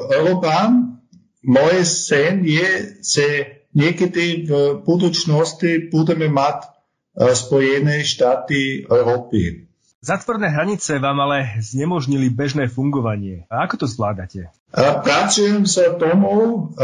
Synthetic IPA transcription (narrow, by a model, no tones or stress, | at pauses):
ɛlɔpan | mɔjɛsɛnjɛʒ̥ɛ | ɲɪɛkɛd̪ivbud̪ut͡ʃnɔst̪ibud̪ɛmɛmat̪ | spɔjɛnɛʃt̪aːt̪iɛʊɾɔːpḭ | zat̪ʋɔɾnɛːɦɾaɲit͡sɛʋaːmalɛzɲɛmɔʒɲilibɛʒnɛːfuŋɡɔʋaɲɪɛakɔt̪ɔzʋlaːd̪acɛ | pɾat͡sujɛmsat̪ɔmu